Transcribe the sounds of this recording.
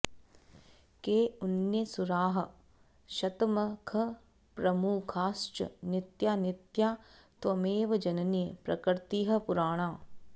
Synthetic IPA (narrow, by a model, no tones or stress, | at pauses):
keːunjɐsuɾaːɦɐ̆ | ʃɐt̪mɐkʰɐ | pɾɐmuːkʰaːst͡ʃɐ̰nɪt̪jaːnɪt̪jaːt̪ʋɐmeːʋɐd͡ʒɐnɐnijɐpɾɐkɾt̪iːɦɐ̆puɾaːɳ̃aː